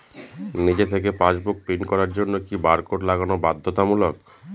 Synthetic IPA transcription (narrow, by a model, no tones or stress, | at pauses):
nid͡ʑet̪ʰek̬epãd͡ʑbuk̚pinkɔɾaɾd͡ʑonːokibaɾkoʈlaɡanobad̪ʱːot̪amulok